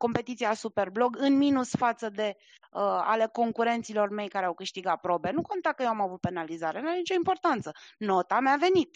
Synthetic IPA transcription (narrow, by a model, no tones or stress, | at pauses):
ko̞mpe̞t̪it̪siasupe̞rblo̞ɡɨnminusfat̪səd̪e̞ | əa̰le̞ko̞ŋkuɾe̞nt̪silo̞rme̞jkaɾeawkɨʃt̪iɡat̪̚pɾo̞be̞nuko̞nt̪akəjewamavut̪̚pe̞nalizaɾenanit͡ʃo̞impo̞rt̪ant̪səno̞t̪amave̞nit̪